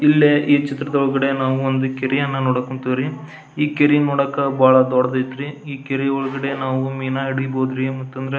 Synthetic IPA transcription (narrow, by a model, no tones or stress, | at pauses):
ilːeʔiːt͡ʃit̪ɾɐd̪ɐɔɭɡɐɽe̞naːʋuond̪ukeɾijɐnːɐnoːɽɐkoɳʈ̪iʋɾi | iːkeɾinoːɽɐkːɐbaːɭɐd̪ɔɽɐd̪ɐjt̪ɾiiːkeɾiɔɭɐɡɐɽe̞naːʋumiːnaiɽɡboːd̪ɾimɐt̪ːɐnd̪ɐɾe